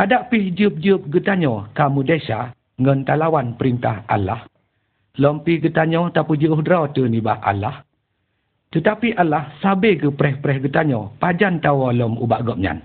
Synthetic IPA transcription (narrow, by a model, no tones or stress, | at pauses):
ʔadaʔpihd͡ʒɨp̚d͡ʒɨp̚ɡət̪aɲɔkamudɛʃa | ŋɔnt̪alawanpəɾint̪ahʔa̰la̰h | lɔmpihɡət̪aɲɔt̪apud͡ʒəuhdɾɔt̪ənibahʔa̰lah | t̪ət̪apiʔalːahsabeɡəpɾɛhpɾɛhɡət̪aɲɔpad͡ʒant̪awɔlɔmṵbaʔɡɔp̚ɲa̰n